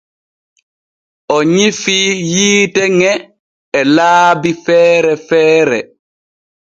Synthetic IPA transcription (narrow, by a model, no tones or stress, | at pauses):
ʔɔɲifijiːtɛŋɛː | laːbifɛːɾɛfɛːɾɛ̰